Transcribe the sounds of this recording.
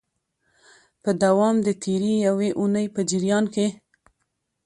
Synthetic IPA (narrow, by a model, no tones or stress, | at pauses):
pəd̪awɑmd̪ət̪ʰeɾijaweʔunəjpəd͡ʒɪɾjɑnke